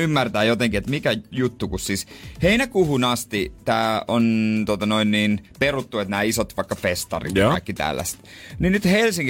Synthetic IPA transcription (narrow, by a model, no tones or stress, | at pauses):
ymːært̪æːjot̪eŋkiet̪mikæjut̪ːukussisheinækuhunɑst̪it̪æːont̪ot̪ɑnoinniːnperut̪ːuet̪næːisot̪ʋɑikːɑfest̪ɑ̰rḭt̪ːkɑ̰ikːit̪æ̰lːæ̰st̪ninyt̪helsiŋk